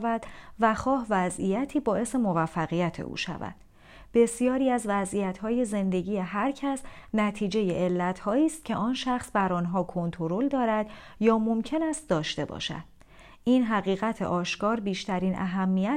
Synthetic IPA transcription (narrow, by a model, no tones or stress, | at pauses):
væd̪̥væxɒːɦvæzijæt̪ʰiːbɒːe̞se̞mo̞væfːæɣijæt̪ʰḛʔṵːʃæ̰væ̰d̪̥ | b̥e̞sijɒːɾiːæzvæzijæt̪ʰhɒːje̞ze̞nd̪e̞ɟiːje̞ɦæɾcʰæsnæt̪ʰiːd͡ʒe̞jeʔelːæt̪ʰhɒːiːst̪̚cʰe̞ʔɒːnʃæxsbæɾɒːnɦɒːkʰo̞nt̪ʰo̞ɾo̞ld̪ɒːɾæd̪ | jɒːmo̞mcʰe̞næst̪̚d̪ɒːʃt̪e̞bɒ̰ːʃæ̰d̪̥̚ | iːnɦæɣiːɣæt̪ʰḛʔɒːʃkɒːɾbiːʃt̪ʰæɾiːnʔæ̰ɦæmːijæ